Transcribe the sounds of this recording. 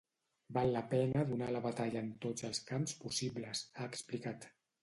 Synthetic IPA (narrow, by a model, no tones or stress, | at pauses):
balˠːəpɛnəðunaləβat̪aʎəːnt̪ozəlˠskamspusiβləsaəksplikat̪